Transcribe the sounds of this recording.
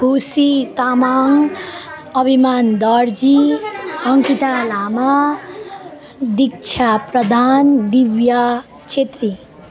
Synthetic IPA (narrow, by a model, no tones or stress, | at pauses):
ɡʱusit̪amaŋ | ʌbʱimaːnd̪ʌɾd͡ʒi | ʌŋkit̪alaːma | d̪ik̚t͡ʃʰapɾəd̪ʱaːnd̪iʋja | t͡ʃʰet̪ɾi